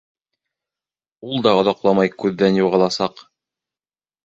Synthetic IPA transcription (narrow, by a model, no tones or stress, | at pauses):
ulˠd̪ɑŏðɑqlˠɑmɑjkʉðːænjuʁɑlˠɑsɑq